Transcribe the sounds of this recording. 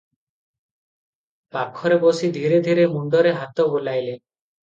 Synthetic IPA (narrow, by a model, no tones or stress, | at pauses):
pakʰːɔɾebosid̪ʱiɾed̪ʱiɾemuɳɖɔɾeɦat̪ɔbolajle